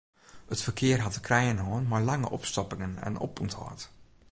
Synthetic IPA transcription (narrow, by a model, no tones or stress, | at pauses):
ətfərkʰɪərɦatəkrɛjənɦɔːnmajlaŋə̰ʔɔ̰pstɔpɪŋənɛ̰nɔ̰puntʰhɔ̰ːt